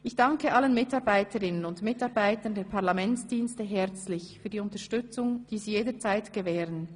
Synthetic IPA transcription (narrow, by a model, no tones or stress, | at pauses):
ʔɪçd̥ɑŋkəʔalənmɪtɑʁbaɪtʰəʁɪnənʊntmɪtɑʁbaɪtəndeːɐpʰaʁlamɛnt͡sd̥iːnstəɦɛʁt͡slɪçfyːɐdiːʊntəʃtʏt͡sʊŋd̥iːziːjeːdət͡saɪtɡ̥əvɛːʁən